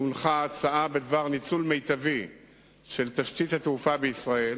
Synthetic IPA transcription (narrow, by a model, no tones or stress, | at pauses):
unχaːt͡saʔabed̪vaʁnit͡sulme̞jt̪avi | ʃe̞lt̪aʃt̪it̪hat̪eufabeisʁae̞l